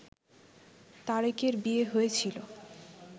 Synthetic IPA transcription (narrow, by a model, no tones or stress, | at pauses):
t̪aɾikeɾbieɦoet͡ɕʰilo